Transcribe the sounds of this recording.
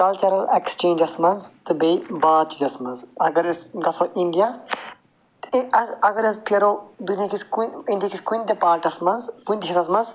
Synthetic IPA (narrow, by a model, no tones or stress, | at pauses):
kɐlt͡ʃɐɾɐlekst͡ʃẽːnd͡ʒɐsmɐnzt̪ɨbebaːd̪̚t͡ʃizɐsmɐnzɐɡɐɾɐsɡɐsʰoʔĩnd̪ija | t̪ɐzɐɡɐɾɐspʰeɾod̪unijakiskunĩnd̪ijakʰiskund̪epaːɾʈɐsmɐnzpund̪ɦisɐs̬mɐnz